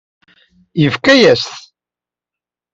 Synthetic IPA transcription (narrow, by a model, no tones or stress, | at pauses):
jəfkæjæsθ